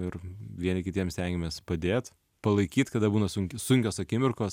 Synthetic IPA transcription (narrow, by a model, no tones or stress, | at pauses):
ɪɾʋʲiɛnʲɪkʲɪt̪ʲiɛmsʲt̪ʲɛŋʲɡʲɪmʲeːspɐd̪ʲeːt̪ | pɐlˠɐɪkʲiːt̪kɐd̪ɐbuːnɐsʊŋʲkʲɪsʊŋʲkʲoːsɐkʲɪmʲɪrkoːs